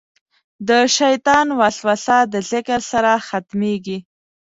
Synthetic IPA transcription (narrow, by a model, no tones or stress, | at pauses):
d̪əʃajt̪ɑnwaɬwasad̪əzɪkəɾsaɾaxat̪meɡi